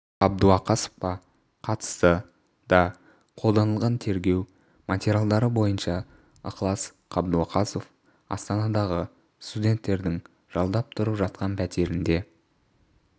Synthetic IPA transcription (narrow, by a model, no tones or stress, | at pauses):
ɑb̚d̪uɑqɑsə̥fpɑ | qʰɑt̪ə̥st̪ə | d̪̥ɑ | qʰolˠd̪ɑnəlˠʁɑnt̪ʰe̞ɾɡʲe̞w | mat̪ʲeɾʲjalˠd̪ɑɾəbo̞jənʃɑ | ə̰qlˠɑs | qʰɑbd̪uɑqʰɑsof | ɑ̰st̪ɑnɑd̪ɑʁə | st̪udʲe̞nt̪ːe̞ɾd̪ɪŋ | ʒ̥ɑlˠd̪ɑp̚t̪ʰʊɾəpʒɑt̪̚qɑnpʰæt̪e̞ɾɪnd̪e̞